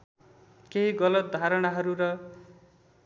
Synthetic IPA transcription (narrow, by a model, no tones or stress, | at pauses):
keɦiɡʌlʌt̪̚d̪ʱaɾʌɽ̃aɦʌɾuɾʌ